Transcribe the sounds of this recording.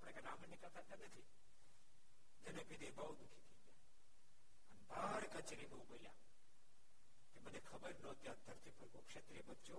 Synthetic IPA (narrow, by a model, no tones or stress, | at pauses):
apɽẽkenamenɪkəlt̪at̪anət̪ʰi | d͡ʒənepid̪ebaud̪ukʰik̪ʰiɡja | ənebaɾkət͡ʃɾibəũbolja̰ | kemənekʰəbəɾnõt̪jad̪ʱəɾt̪ipəɾkokʃet̪ɾiebət͡ʃo